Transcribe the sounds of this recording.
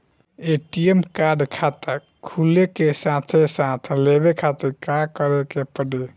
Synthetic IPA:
eʈiemkaɾɖkʰat̪əɾ | kʰulekesãt̪ʰesãt̪ʰlebekʰat̪əɾkakəɾekepəɖe

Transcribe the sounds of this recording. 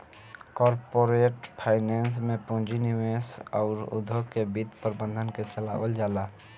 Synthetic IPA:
kɔːɾpoːɾeːʈpʰaːɪneːns̬mẽpõːd͡ʒinɪʋeːsɔ̰ːɾʊ̰d̪ʱokebid̪pəɾbə̃nd̪ʱənket͡ʃəla̰ːwəld͡ʒaːlaː

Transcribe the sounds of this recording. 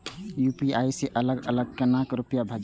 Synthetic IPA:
jupiaiseʔələɡələɡ̚kənakɾupjabʱəd͡ʒ

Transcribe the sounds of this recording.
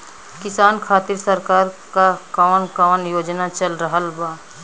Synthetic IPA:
kɪsaːnkʰaːt̪ɪɾsəɾkaːɾkakaːnkaːnjoːd͡ʒnat͡ʃɐlɾəɦəlbaː

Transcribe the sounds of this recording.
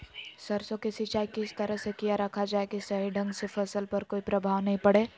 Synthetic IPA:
sɐɾsõkɪsɪt͡ʃaːikɪst̪ɐɾəɦsekijaɾɐkʰad͡ʒaːekisɐɦiɖʱɐ̃ŋɡsefʰɐsəlpɐɾkoːipɾɐbʱaːʋnɐɦĩpɐɽeː

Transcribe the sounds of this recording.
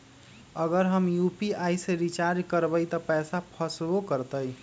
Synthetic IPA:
əɡəɾɦəmjupiajseɾit͡ʃaɾd͡ʒkəɾbəjt̪əpɛsapʰəsbokəɾt̪əj

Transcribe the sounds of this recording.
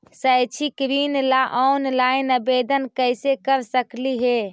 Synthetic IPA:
səjt͡ʃʰikɾinlaʔɔnlaɪnəbed̪ənkəjsekəɾsəkliɦe

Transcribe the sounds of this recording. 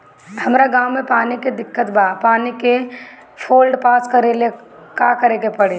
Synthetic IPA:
hɐmɾaɡaːwmepaːniked̪ɪkːət̪bapaːnike | pʰoːlɖpaːskəɾele | kakəɾekepəɽe

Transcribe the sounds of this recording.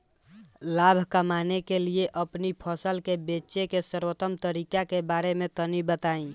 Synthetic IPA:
labʱkəmanekelieʔəpnipʰəsəlkebet͡ʃekesəɾwət̪əmt̪əɾikakebaɾemẽt̪ənibət̪aĩ

